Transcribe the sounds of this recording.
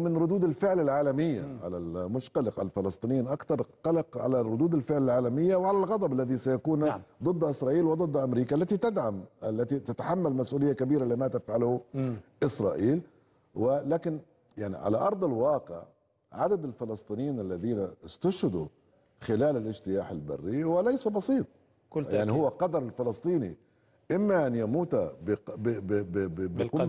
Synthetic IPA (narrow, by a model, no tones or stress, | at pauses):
mɪnɾʊd̪uːd̪ɪlfɪʕlɪlʕaːlamɪjːa̰ʕa̰la̰lmʊʃq̪ɑlɪqʕa̰lfɪlɑsˤt̪ˤiːnɪjiːnʔakθɑɾˤqɑlɑqʕa̰larˤːʊd̪uːd̪ɪlfɪʕlɪlʕaːlamɪjːawɪʕalalɣɑd̪ˤɑbalːaðisajakuːnd̪ˤɨd̪ˤːʔɪsɾˤɑːʔiːlwd̪ˤɨd̪ˤːʔamɾiːkaʔalːat̪it̪ɪd̪ʕamalːat̪it̪at̪aħamːalmasʔuːlɪjːakabiːɾaliːmat̪afʕalhʊʔɪsɾˤɑ̰ːʔiːl | wɪlaːkɪn | jaʕnḭʕa̰la̰ʔɑɾˤd̪ˤɪlwɑːqɪ̰ʕ | ʕad̪ad̪ɪlfɪlɑsˤt̪ˤiːnjiːnalːaðiːnast̪ʊʃhɪd̪u | xɪlaːlɪlʔɪʃt̪ɪjaːħɪlba̰rːiwɪlajsabɑsˤiːt̪ˤ | kʊaʕnihʊwːaqɑd̪ɑɾˤɪlfɪlɨsˤt̪ˤiːnḭ | ʔɪmːaʔanjamuːt̪abb | b